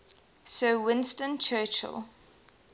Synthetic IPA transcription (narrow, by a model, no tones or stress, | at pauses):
səːwɪ̃nstə̃nt͡ʃʰɜːˑt͡ʃə̰lˠ